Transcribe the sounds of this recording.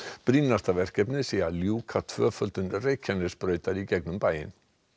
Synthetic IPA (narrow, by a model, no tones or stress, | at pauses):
pɾinːast̪avɛr̥kɛpnɪsiːaljuːkʰat̪ʰv̥œːfœlt̪ʏnreːjcʰːanɪspɾœːɥt̪aɾicɛknʏmpaːjɪ̰n